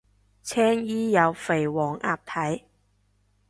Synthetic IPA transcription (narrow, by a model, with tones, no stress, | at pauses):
t͡sʰɛː˥ŋjiː˥jɐ˨˧wfe˨˩jwɔː˨˩ŋʔa̰ː˧p̚t̪ʰɐ˨˥j